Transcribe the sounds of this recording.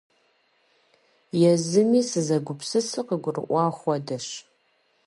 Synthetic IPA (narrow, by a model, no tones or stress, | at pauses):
jɛzɨmiːsɨzɐɡʷʊpsɨsɨqəɡʷʊrɨ̰ʔʷɑːχʷɔdɐɕ